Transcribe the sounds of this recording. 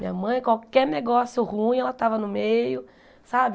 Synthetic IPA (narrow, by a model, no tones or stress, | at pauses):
mḭ̃ɲɐmɐ̃j̃kwawkɛɾneɡɔsjʊhũj̃ɛlɐt̪avɐnʊmejʊ | sabɪ